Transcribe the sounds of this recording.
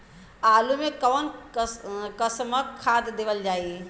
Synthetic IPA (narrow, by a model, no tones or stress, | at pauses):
alumekɔwn | kəsməkkʰːad̪d̪eʋəld͡ʒaːi